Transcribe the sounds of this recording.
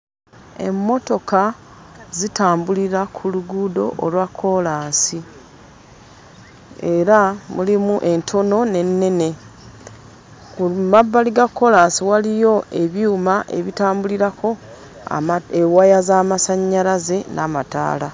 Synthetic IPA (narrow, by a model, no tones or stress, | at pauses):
e̞̰mːo̞to̞kazitaːmbuliɾakʰuluɡudo̞̰ʔolwakʰːo̞laːnsi | e̞ɾamulimuʔe̞ntʰo̞no̞ne̞nːe̞ne̞ | kumabːaliɡakːo̞laːnsiwalijo̞e̞βjuːmaʔeβitaːmbuliɾako̞̰ | ewajazaːmasaɲːaɾaze̞nʔamata̰ːla